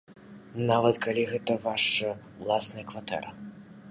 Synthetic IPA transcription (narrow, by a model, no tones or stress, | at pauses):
navɐt̪kalʲiɣɛt̪ɐvaʂɐ | wlˠasnɐjɐkvat̪ɛ̰ɾɐ